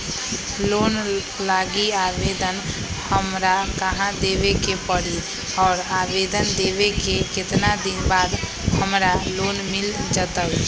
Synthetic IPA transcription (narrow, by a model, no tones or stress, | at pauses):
lon | laɡiabed̪ən | həmɾakəɦãd̪ebekepəɾi | ɔːɾabed̪ənd̪ebekekɪt̪nad̪inbad̪ | həmɾalonmild͡ʒət̪əb